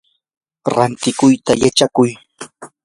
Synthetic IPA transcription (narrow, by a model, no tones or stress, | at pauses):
ɾant̪ɪkʊjt̪ajat͡ʃakʊj